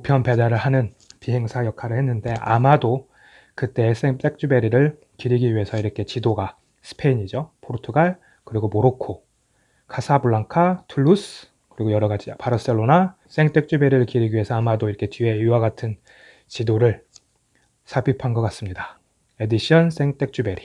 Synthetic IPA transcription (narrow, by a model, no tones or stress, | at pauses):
opʰjʌnpe̞daɾɯɭhanɯn | piɦe̞ŋsʰajʌkʰaɾɯɭhe̞nːɯnde̞a̰mado | kɯt͈e̞ːs͈eŋt͈e̞k̚t͡ɕ͈ube̞ɾiɾɯɭ | kiɾiɡiɥiɦe̞sʰʌiɾʌkʰe̞t͡ɕidoɡa | sʰɯ̥pʰe̞iɲid͡ʑopʰoɾtʰuɡaɭ | kɯɾiɡomoɾokʰo | kʰasʰabuɭːaŋkʰatʰuɭːus | kɯɾiɡojʌɾʌɡad͡ʑipaɾʌs͈eɭːona | s͈e̞ŋt͈e̞k̚t͡ɕ͈ube̞ɾɯɭkiɾiɡiɥiɦe̞sʰʌamadoiɾʌkʰe̞t͡ɕie̞iwaɡatʰɯn | t͡ɕidoɾɯɭ | sʰabipʰanɡʌk͈as͈ɯmɲida | e̞diɕ͈ʰʌns͈e̞ŋt͈e̞k̚t͡ɕ͈ube̞ɾi